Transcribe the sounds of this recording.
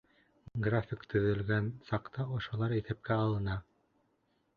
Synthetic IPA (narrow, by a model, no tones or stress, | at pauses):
ɡrafʲikt̪ʰɵ̆ðɘ̆lɡænsɑqt̪ɑŏʃŏlˠɑɾiθæp̚kæɑlˠɤ̆nɑ